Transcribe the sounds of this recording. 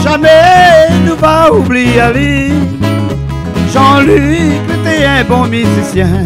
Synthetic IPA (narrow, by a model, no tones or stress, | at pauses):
ʒamɛnupaubliali | ʒɑ̃lyklet̪eɛ̃bɔ̃misesjɛ̃